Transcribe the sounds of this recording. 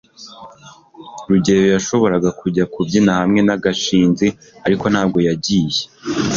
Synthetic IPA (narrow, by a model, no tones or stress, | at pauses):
ɾuɟe̞ɾojaʃo̞βo̞ɾaɡakuɟakubɟinahamŋe̞naɡaʃiːnzi | aɾiko̞nhaːb̚ɡo̞jaɟiːje